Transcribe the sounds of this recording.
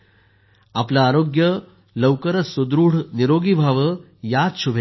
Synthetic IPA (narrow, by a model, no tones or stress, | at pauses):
aplaːɾoɡjə | ləwkəɾəsud̪ɾuːɽ̤niɾoɡibʱaʋə | jad̪ɕubʱe